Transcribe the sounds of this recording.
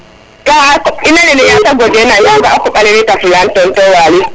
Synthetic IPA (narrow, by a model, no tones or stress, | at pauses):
kaakɔinalɛlɛjasaɡɔdɛnajaŋɡaakɔɓalɛɾɛtafilantɔntɔwaːli